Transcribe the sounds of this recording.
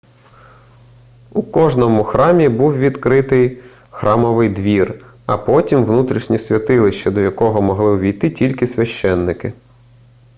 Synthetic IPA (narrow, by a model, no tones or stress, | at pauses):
ukɔʒnɔmʊxɾɑmʲibuwʋʲid̪kɾɪt̪ɪj | xɾʔɑmɔʋɪjd̪ʋʲir | ɐpɔtʲimʋnut̪ɾʲiʃnʲisʲʋʲɐt̪ɪlˠɪʃt͡ʃɛd̪ɔjɐkɔɦɔmɔɦlˠɪʊʋʲijt̪ɪtʲilʲkɪsʲʋʲɐʃt͡ʃɛnːɪkɪ